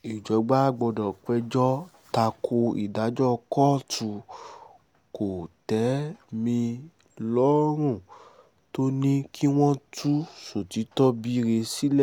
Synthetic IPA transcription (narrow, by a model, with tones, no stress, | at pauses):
i˨d͡ʒɔ˨˦ɡ͡ba˦ɡ͡bɔ˧dɔ̃˨k͡pɛ˧d͡ʒɔ˦ | ta˧kʰo˧ḭ˨da˨˦d͡ʒɔ˦˧kɔ˦tu˧˦ | ko˨tɛ˨˦mĩ˧ | lɔ˦ɾ̃ũ˦˨ | to˦nĩ˦kʰi˦w̃ɔ̃˦tʰu˦so˨ti˨˦tɔ˦bi˦˧ɾe˧si˦lɛ˦˨